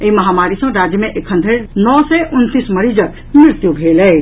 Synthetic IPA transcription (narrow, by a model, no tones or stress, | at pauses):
iməɦamaɾisə̃ɾad͡ʒjəmeʔekʰənd̪ʱeɾnɔsɛʔunt̪isməɾid͡ʒək | miɾt̪jubʱelɛ